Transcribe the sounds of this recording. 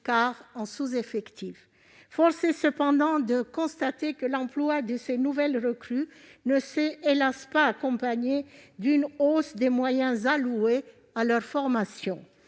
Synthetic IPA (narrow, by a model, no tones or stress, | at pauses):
kaʁɑ̃suzefɛkt̪if | fɔʁsesəpɑ̃d̪ɑ̃d̪əkɔ̃st̪at̪ekəlɑ̃plwad̪əsenuvɛlʁəkχynəseelaspaːkɔ̃paɲed̪ynosd̪emwajɛ̃zalue | alœʁfɔʁmasjɔ̃